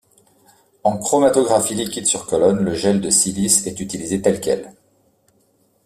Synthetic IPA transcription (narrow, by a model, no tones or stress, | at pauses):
ɑ̃kχɔmat̪ɔɡʁafilikʲid̪syʁkɔlɔnləʒɛld̪əsilisɛt̪yt̪ilizet̪ɛlkʲɛ̰l